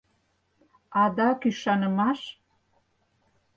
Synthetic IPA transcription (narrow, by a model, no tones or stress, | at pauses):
ɑd̪ɑkyʃɑnə̆mɑʃ